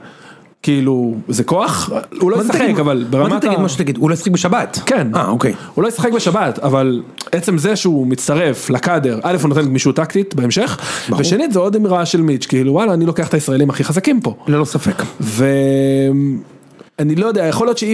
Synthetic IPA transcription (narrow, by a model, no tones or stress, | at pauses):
kiiluzeko̞aχulojessaaχekavalbeʁamaat̪ad̪maʃt̪aɡid̪ulojsχek̚beʃabat̪kenaokejhulo̞jesaχek̚beʃabat̪avalet͡se̞mzeʃeumit͡st̪aʁe̞flakade̞ʁʔalefunot̪enmiʃut̪akt̪it̪beemʃe̞χbveʃenitzeo̞d̪miʁaʃe̞lmit͡ʃkiiluwalaːnilo̞keaχt̪aisʁae̞limaχiχazakimpo̞lelosafekve̞m | anilojodeajaχolijo̞tʃei